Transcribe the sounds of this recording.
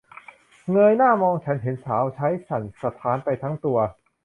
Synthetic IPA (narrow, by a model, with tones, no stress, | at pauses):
ŋɤː˧jnaː˥˩mɔː˧ŋt͡ɕʰa˦˥nɦe˩˦nsaː˩˦˥wt͡ɕʰa˦˥jsʰa˨˩nsa˧t̪ʰaː˦˥npa˧jt̪ʰa˦˥ŋt̪u˧ɐ